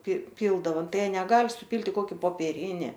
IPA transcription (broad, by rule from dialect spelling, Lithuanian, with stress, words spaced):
pʲrʲɪ ˈpʲiːlˠdɐʋoː ˈtɐɪ ˈjiɛ nʲɛˈɡɐlʲ sʊpʲiːlʲtʲ ɪ ˈkoːkʲɪ poːpʲiɛˈrʲɪnʲɪ